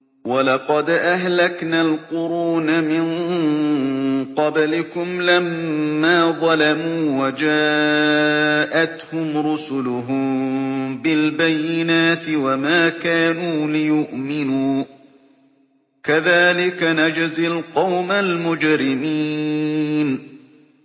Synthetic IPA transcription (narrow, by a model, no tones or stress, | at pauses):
walɑqɑd̪ʔaɦlaknaːlqʊɾuːnamɪn | qɑblɪkʊmlamːaːðˤɑlamuːwad͡ʒaː | ʔat̪hʊmɾʊsʊlʊɦʊmbɪlbajːɪnaːt̪ɪwamaːkaːnuːlɪjʊʔmɪnuː | kaðaːlɪkanad͡ʒazalqɑwmalmʊd͡ʒɾɪmiː | n